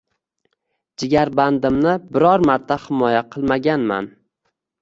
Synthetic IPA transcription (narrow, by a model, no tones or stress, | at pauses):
d͡ʒɪɡʲaɾband̪ɪmnɪbɪɾɒɾmaɾt̪ʰahɪmɒjaqʰɨlˠmaɡʲanma̰n